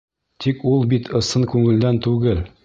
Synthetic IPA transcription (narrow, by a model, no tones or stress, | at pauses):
t̪ʰikulˠbit̪ʰɤ̆sɤŋkʉŋɘ̆ld̪ænt̪ʉɡɘl